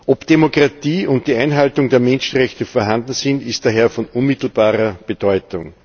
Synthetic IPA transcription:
ʔɔpd̥emokʁ̥atiːʊnt̚d̥iːæɪnɦaltʊŋdeːɐmɛnʃn̩ʁɛçtəfɔɐɦandn̩sɪntɪstd̥aɦeːɐfɔnʊnmɪtl̩baːʁɐb̥ed̥ɔʏtʊŋ

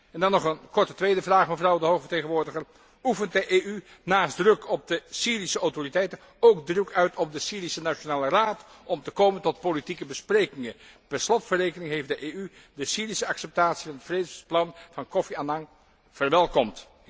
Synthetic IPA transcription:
ɛndɑnːɔχənkɔɹtətʋejdəvraːχməvrɑwdəɦowxfəɹteχənʋʊːɹdəχər | ufənt̚dəʔey | naːsdrɵkɔb̚dəsiːrisəawtoritɛjtən | owɡdrəkœɥtʰɔb̚dəsiːɾisənaʃonaːləraːtʔɔmtəkowməntɔt̚politikəbəsprejkɪŋənpɛnslɔtfərejkənɪŋɦejfdəʔeːy | dəsiːrisəɑksɛp̚taːtsivɑnətfredəplɑnv̥ɑnkɔfianɑŋ | v̥ərʋɛlˠkɔmt

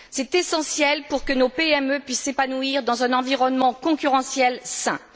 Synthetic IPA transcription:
sɛt̪esɑ̃sjɛlpuʁkənopeɛmøpɥisːepanuiʁd̪ɑ̃zɛ̃nɑ̃viʁɔnmɑ̃kɔ̃kʲyʁɑ̃sjɛlsɛ̃

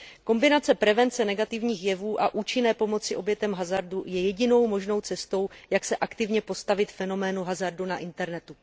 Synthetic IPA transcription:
ko̞mbɪnat͡sɛpɾɛvɛnt͡sɛnɛɡat̪ɪvɲiːxjɛvuːʔaʔuːt͡ʃɪnɛːpo̞mo̞t͡sɪʔo̞bjɛt̪ɛmɦazaɾdujɛjɛɟɪno̞wmo̞ʒno̞wt͡sɛst̪o̞wjaksɛʔakt̪ɪvɲɛpo̞st̪avɪt̪fɛno̞mɛːnuɦazaɾdunaʔɪnt̪ɛɾnɛt̪u

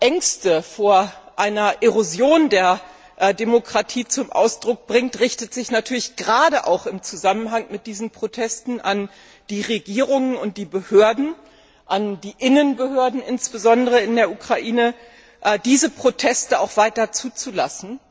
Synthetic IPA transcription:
ʔɛŋstəfoːɐʔaɪnɐʔeʁozjoːndeːɐ | ʔdemokʁ̥atʰiːt͡sʊmʔa̰ʊsd̥ʁʊk̚b̥ʁɪŋtʁɪçtətz̥ɪçnatʰyːɐlɪçɡ̥əʁaːdəʔa̰ʊxɪmt͡suzamənɦaŋmɪt̚d̥iːzn̩pʁ̥otʰɛstn̩an | d̥iːʁeɡiːʁʊŋənʊnt̚d̥iːbəhøːɐdn̩ | ʔandiːʔɪnənbəhøːɐdn̩ʔɪnsb̥əzɔndəʁəɪndeːɐukʁ̥aʔiːnə | ʔɛdiːzəpʁ̥otʰɛstəaʊxv̥aɪtɐt͡suːt͡sulasn̩

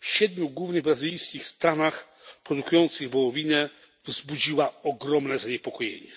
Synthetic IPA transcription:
fɕɛd̪mʲjuɡwuvnɘɣbɾazɪlʲijskʲixst̪anax | pɾɔd̪ukujɔnt̪sɘɣvɔwɔvʲinɛ | vzbud͡ʑiwaɔɡɾɔmnɛzaɲɛpɔkɔjḛɲɛ

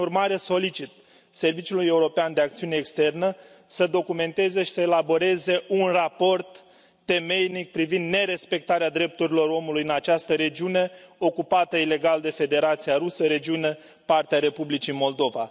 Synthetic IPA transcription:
urmaɾe̞so̞lit͡ʃit̪̚ | se̞rvit͡ʃuluje̞uɾo̞peand̪e̞akt̪siune̞ːkst̪e̞rnə | səd̪o̞kume̞nt̪e̞ze̞ʃi̥səelabo̞ɾe̞ze̞ʔunrapo̞rt̪ː | e̞me̞jnik̚pɾivind̪ne̞ɾe̞spe̞k̚t̪aɾead̪ɾe̞p̚t̪uɾilo̞ɾo̞mulujɨnat͡ʃast̪əɾe̞d͡ʒiune̞o̞kupat̪əile̞ɡald̪e̞fe̞d̪e̞ɾat̪sijaɾusəɾe̞d͡ʒiune̞ | part̪eaɾe̞publit͡ʃimo̞ld̪o̞va

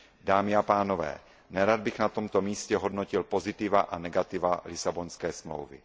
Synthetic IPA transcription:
daːmɪapaːnovɛ̰ː | nɛɾad̪̚bɪxnat̪o̞mt̪o̞miːscɛɦo̞dnocɪlpo̞zɪt̪ɪvaʔanɛɡat̪ɪvalɪsabonskɛːsmlo̰wvɪ̰

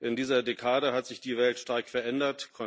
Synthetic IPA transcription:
ʔɪndiːzɐdekʰaːdəɦatz̥ɪçd̥iːvɛltʃtaɐkfɛɐʔɛndɐtkʰɔ

